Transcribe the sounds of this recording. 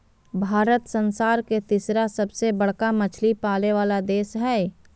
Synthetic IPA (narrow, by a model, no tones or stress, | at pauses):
bʱaːɾət̪sə̃nsaːɾket̪isɾasɐbsebəɽ̤kamɐt͡ʃʰlipaːleʋaːlad̪eːsɦɛː